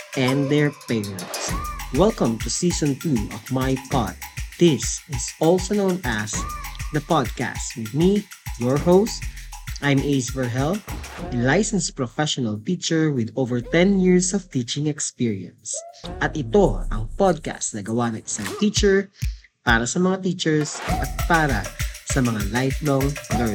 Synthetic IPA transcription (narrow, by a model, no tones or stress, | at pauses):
ʔɛ̃nd̪ɛɹpeɹɛ̃nt̪swɛlkɐ̃mt̪usisɔ̃nt̪uɔ̰vmajpɑ̰t̪̚d̪̥ɪsɪsɔlsonõʊ̃nasd̪ɐpɑd̪̚ka̰st̪wɪd̪̚mijɔɹhoʊst̪ʔajmʔejsvɛɹɦɛllajsɛ̃nspɹɔfɛʃɔnɐlt̪it͡ʃɛɹwɪd̪ovɛɹt̪ɛ̃njiɹsɔv̥t̪it͡ʃɪ̃ŋɛkspiɹiɐ̰̃nsʔɐt̪ɪt̪oɐ̰ŋpɔd̪̚ka̰st̪nɐɡɐwanɐŋɪsaŋt̪iːt͡ʃɛɹ | paːɾɐsɐmɐŋat̪iːt͡ʃɛɹsʔɐt̪̚paːɾɐ̰sɐmɐŋalajflɔŋlɛ